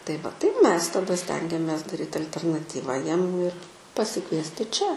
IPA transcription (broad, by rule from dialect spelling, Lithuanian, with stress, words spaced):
tɐɪ ˈʋɐ tɐɪ ˈmʲɛs tɐˈdɐ ˈsʲtʲɛŋʲɡʲɛmʲeːs dɐˈrʲiːt ɐlʲtʲɛrnɐˈtʲiːʋɐ ˈjiɛm ɪr pɐsʲɪˈkʋʲiɛsʲtʲɪ t͡ʃʲɛ